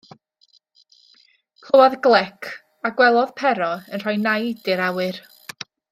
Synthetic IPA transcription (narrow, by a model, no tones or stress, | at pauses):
kʰəwaðɡlˠɛkʰ | aɡwɛlˠɔðpʰɛɾɔənr̥ajnajd̥ɨɾawɨr